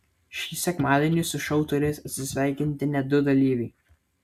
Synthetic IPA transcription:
ʃʲiːsʲɛkmɑːd̪ʲɛnʲɪsʊʃɐʊt̪ɔɾʲɛɪsɐt̪ʲsʲɪsʲʋʲæˑɪkʲɪnʲt̪ʲɪnʲɛd̪ʊd̪ɐlʲiːʋʲɛɪ

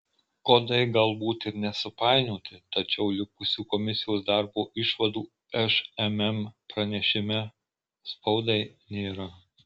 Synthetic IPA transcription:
kod̪ɐɪɡɐlˠbuːt̪ɪɾnʲɛsʊpɑˑɪnoːt̪ʲɪt̪ɐt͡ʃʲɛʊlʲɪkʊsʲuːkɔmʲɪsʲɪjoːsd̪ɐˑɾboːʔɪʃʋɐd̪uː | ɛʃɛmɛmpɾɐnʲɛʃʲɪmʲɛ | spɐʊd̪ɐɪnʲeːɾɐ

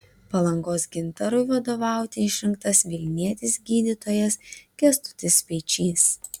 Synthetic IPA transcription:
pɐlˠɐŋɡoːsɡʲɪnt̪ɐɾʊɪʋɐd̪oːʋɑˑʊt̪ʲɪɪʃʲɾʲɪŋk̚t̪ɐsʋʲɪlʲnʲiɛt̪ʲɪsɡʲiːd̪ʲɪt̪oːjɛsɡʲɛst̪ʊ̥t̪ʲɪsʲpʲɛɪt͡ʃʲiːs

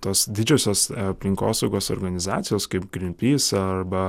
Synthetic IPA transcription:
t̪oːsd̪ʲɪd͡ʒʲɛːsʲoːsɐpʲlʲɪŋkoːsɒʊɡoːso̰ːɾɡɐnʲɪzɑ̰ːt̪sʲɪjoːskɐɪpɡɾʲɪmʲpʲiːsɐrbɐ

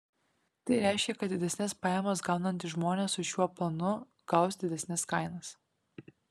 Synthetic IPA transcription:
t̪ɐɪɾʲæˑɪʃʲkʲɛkɐt̪d̪ʲɪd̪ʲɛsʲnʲɪspɑːjɛmɐs̬ɡɑˑʊnɐnʲt̪ʲɪʒmoːnʲeːsʊʃʲuɔplˠɐnʊ | ɡ̥ɐʊsd̪ʲɪd̪ʲɛsʲnʲɪskɐɪnɐs

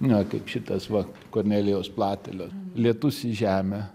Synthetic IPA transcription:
nʲɛkɐɪpʃʲɪt̪ɐsʋɐ | koːrʲnʲæːlʲɪjoːsplˠɑːt̪ʲɛlʲoːlʲiɛt̪ʊsɪʒʲæːmʲɛ

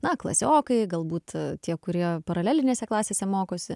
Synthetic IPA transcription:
nɐklˠɐ̰sʲoːkɐɪɡɐlˠbuːt̪t̪ʲiɛkʊɾʲiɛpɐɾɐlʲæːlʲɪnʲeːsʲɛklˠɑːsʲeːsʲɛmoːkoːsʲɪ

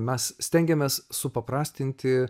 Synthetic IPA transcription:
mʲɛssʲt̪ʲɛŋʲɡʲɛmʲeːssʊpɐpɾɑːsʲt̪ʲɪnʲt̪ʲɪ

